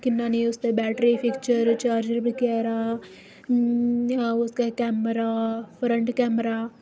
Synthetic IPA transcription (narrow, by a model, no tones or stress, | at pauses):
kɪnːaːniʊst̪ebɛːʈɾipʰɪkt͡ʃəɾt͡ʃaːɾd͡ʒəɾbikeːɾaː | ʊskakɛːmɾafɾəɳʈkɛːmɾaː